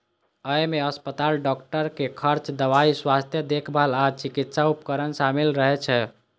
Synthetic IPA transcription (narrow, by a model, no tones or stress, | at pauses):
əjmeəspət̪alɖɔkʈəɾkekʰəɾt͡ʃd̪əʋaiswast̪ʰjəd̪ekʰbəɦəlat͡ʃikit̪saupkəɾənsamilɾəɦɛt͡ʃʰɛ